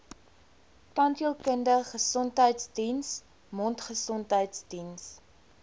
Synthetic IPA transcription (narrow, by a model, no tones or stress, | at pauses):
pɐntəlˠkəndəχəsɔntɦəjtsdins | mɔntχəsɔntɦəjtsdins